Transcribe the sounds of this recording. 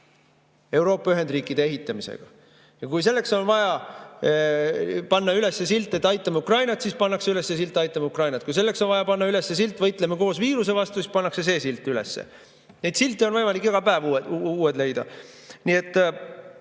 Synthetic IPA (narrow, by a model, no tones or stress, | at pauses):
e̞wɾo̞ːpːˑɑyɦend̪̥riːkːˑid̪̥eeɦit̪ːˑɑmise̞̰ɡ̥ɑ̰ | jɑkujse̞lːe̞kso̞nvɑjɑ | pɑnːɑyle̞sːesilt̪ːˑet̪ːˑɑjt̪ːˑɑmɑukrɑjnɑt̪sispɑnːɑkseyle̞sːe̞s̬ilt̪ːˑɑjt̪ːˑɑmɑukrɑjnɑt̪̚kujs̬e̞lːe̞ksonvɑjɑpɑnːɑyle̞sːe̞silt̪ːˑvɤjt̪ˑlemeko̞ːsviːɾuse̞vɑst̪usis̚pɑnːɑkse̞s̬e̞ːsilt̪ːˑyle̞̰sːḛ | nejd̪silt̪ːˑeo̞nvɤjmɑlikːekɑpæːvuuːed̪le̞jd̪̥ɑ̰nie̞t̪ːˑ